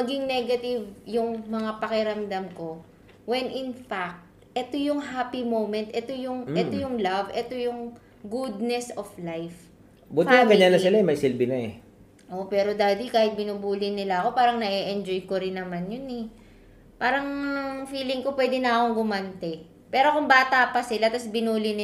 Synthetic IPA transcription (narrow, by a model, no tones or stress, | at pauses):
mɐɡɪŋnɛɡɐt̪ɪvjʊŋmɐŋapɐkɛɾɐmd̪amko̞ | wɛnʔɪnfak̚t̪̚ | ɛt̪o̞jʊŋɦaːpimowmɛnt̪ʔɛt̪o̞jʊŋɛt̪ojʊŋlavɛt̪o̞jʊŋ | ɡud̪̚nɛsoflajf | butp̪ɪnɐɡɐɲːanɐsɪlaɛmɐjsɪlbɪnɐɛ | ʔo̞ʔpɛːɾo̞d̪aːd̪ikaːhɪt̪̚bɪnubuːlɪnɪlaɐko̞paːɾɐŋnɐʔɛʔɛnd͡ʒo̞jko̞ɾɪnːɐmanjonɛ | paːɾɐŋfiːlɪŋko̞pwɛd̪ɪnɐɐko̞ŋɡʊmɐnt̪ɛ | pɛːɾo̞kʊŋbaːt̪ɐpɐsɪlat̪ɐsbɪnuːlɪnɪ